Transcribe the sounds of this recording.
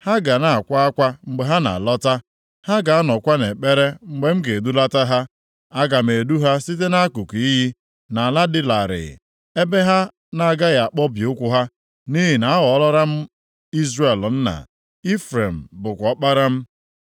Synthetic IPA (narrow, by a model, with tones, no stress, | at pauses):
ha˦ɡa˨na˨a˨kʷa˦a˦kʷa˦ŋ͡m̩˦ɡ͡be˨ɦa˦na̰˨lɔ˦ta˦ | ha˦ɡa˨a˦nɔ˨kʷa˦ne˨k͡pe˦ɾe˦ŋ͡m̩˦ɡ͡be˦m̩˦ke˨du˦la˦ta˦ɦa˦ | a˦ɡa˨m̩˨e˨du˦ɦa˦si˦t̬e˦na˦a˦ku˨ki˨i˦ɦi˦ | na˨la˦dɪ˦la˨ɾɪ̰˨ | e˦be˦ɦa˦ | na˨ɡa˦ɣa˨k͡pɔ˦bjʊ˦kʷʊ˦ɦa˦ | ni˦ɦi˨na˨a˦ɣɔ˨˦lɔ˦ɾa˦m̩˦ | i˦zɾe˨ln̩˦na̰˨ | i˦fɾe˨m̩˨bʊ˨kʷɔ˨k͡pa˦ɾa˦m̩˦